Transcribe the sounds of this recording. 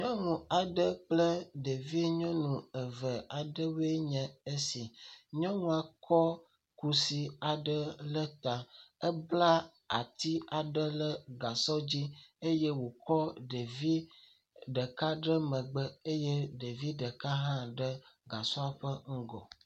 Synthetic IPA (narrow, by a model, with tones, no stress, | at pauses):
ɲɔ̃˦ŋũ˨a˨ɖə˦k͡plə˦ɖe˨vi˦ɲɔ̃˦nũ˨ə˨və˨a˨ɖə˦we˦ɲɛ̃˨e˦si˨ɲɔ̃˦ŋũ˦˨a˨kʰɔ˦ | ku˨si˨a˨ɖə˦lə˦t̪a˨ə˦bla˦ | a̰˨t̪i˦a˨ɖə˦lə˦ɡa˨sɔ˦d͡ʑi˦e˦jɛ˦wo˨kɔ˦ɖe˨vi˦ | ɖə˨ka˦ɖə˦mə̃˨ɡ͡bə˦e˦jɛ˦ɖe˨vi˦ɖə˨ka˦ɦã˦ɖə˦ɡa˨sɔ˦a˨ɸə˦ŋ̩˦ɡɔ̰˨